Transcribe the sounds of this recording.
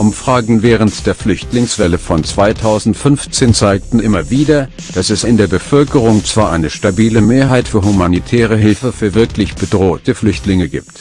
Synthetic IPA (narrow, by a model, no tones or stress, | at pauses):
ʔʊmfʁ̥aːɡŋ̩vɛːʁ̞əntd̥eːɐflʏçtlɪŋsv̥ɛləfɔnt͡sv̥aɪtʰaʊzn̩tfʏnft͡seːnt͡saɪk̚tn̩ʔɪmɐviːdɐ | d̥asɛsɪndeːɐbəfœlkəʁ̞ʊŋt͡sv̥aːɐʔaɪnəʃtabiːləmeːɐɦaɪtfyːɐhumanitʰɛːʁ̞əɦɪlfəfyːɐvɪɐklɪçb̥ədʁoːtəflʏçtlɪŋəɡḭːpt